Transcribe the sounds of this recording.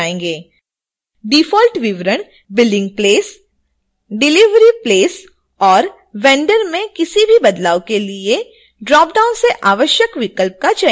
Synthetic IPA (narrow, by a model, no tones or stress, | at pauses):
ẽːŋɡeː | ɖiːfɔːlʈʋɪʋɾəɽ̃ | bɪlɖɪ̃ŋɡ̚pleːs | ɖɪlɪʋɾipleːs | ɔːɾ | ʋɛ̃ːɳɖəɾmẽkɪsibʱibɐd̪laːokelie | ɖɾɔːp̚ɖaːʊnseʔaːʋəʃjəkʋɪkəlp̚kat͡ʃa